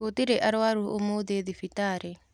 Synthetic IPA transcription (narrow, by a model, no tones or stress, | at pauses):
ot̪iɾeʔaɾwaɾuomoðeðifitaɾe